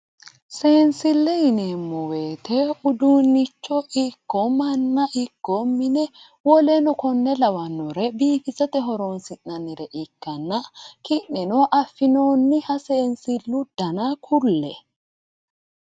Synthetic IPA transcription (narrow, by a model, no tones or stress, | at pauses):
seːnsɪlːɛjɪnemːɔweːt̪ɛʊd̪uːnːɪt͡ʃːɔʔɪkːɔmɐnːɐʔɪkːɔmːɪnɛ | wɔlɛnɔkɔnːɛlɐwɐnːɔɾɛbiːfɪzɐt̪ɛɦɔɾonsɪnːɐnːɪɾɛʔɪkːɐnːɐkɪʔːɛnɔʔɐfːɪnoːnːɪhɐseːnsɪlːʊd̪̥ɐnakʰʊlːɛ̰